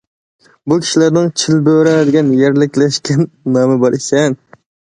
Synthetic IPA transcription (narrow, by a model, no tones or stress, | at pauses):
bukʲʰi̥ʃilæɾnɪŋt͡ʃʰilbøɾɛd̪ɪɡʲɛnjɛɾlɪkʲlɛʃkʲʰɛnːɑmɨbɑɾʔisɛn